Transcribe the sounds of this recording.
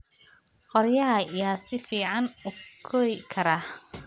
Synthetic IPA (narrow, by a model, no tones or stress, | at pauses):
qɔɾjɐɦɐijaːsɪfiːʕɑnʊkʰɔɪkʰɐɾɐ